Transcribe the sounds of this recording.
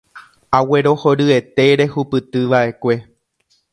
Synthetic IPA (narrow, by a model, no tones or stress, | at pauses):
awe̞ɾo̞ho̞ɾɨe̞t̪e̞ɾe̞hupɨt̪ɨʋaʔe̞kʷe̞